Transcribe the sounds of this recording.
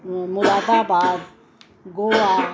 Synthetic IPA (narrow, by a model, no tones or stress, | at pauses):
mulavaba | ɡowa